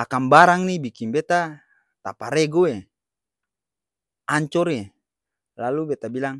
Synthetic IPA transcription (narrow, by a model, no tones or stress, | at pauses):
akambaɾaŋnibikinbet̪a | t̪apaɾeɡue | aɲt͡ʃɔɾe | lalubet̪abilaŋ